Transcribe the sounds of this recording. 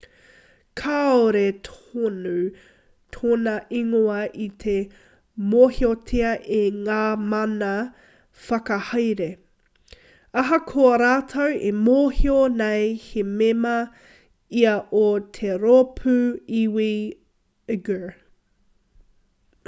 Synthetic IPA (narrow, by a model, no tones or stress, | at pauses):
kʰaːoɾet̪ʰonu | t̪ʰoːnɐʔiŋoɐʔit̪ʰe | mohiotʰeɐʔeŋaːmɐnɐ | fɐkɐhɐjɾe | ɐɦɐkʰoɐɾaːt̪ʰɐwemoːhionejhememɐ | iɐʔot̪ʰeɾopʰʉiwi | ɡə